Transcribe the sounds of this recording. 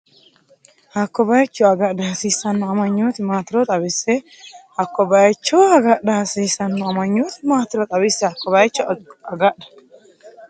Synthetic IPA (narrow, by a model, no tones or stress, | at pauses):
hɐkːɔbɐjt͡ʃːɔɐɡɐdɐhɐsiːsɐnːɔɐmɐɲːot̪ɪmaːt̪ɪɾɔt̪ʼɐbɪsːɛ | hɐkːɔbɐjt͡ʃːɔwɐɡɐɗɐhɐsiːsɐnːɔɐmɐɲːot̪ɪmaːt̪ɪɾɔt̪ʼɐbɪsːɛɐkːɔbɐjt͡ʃːɔɐɡɐɗɐ̥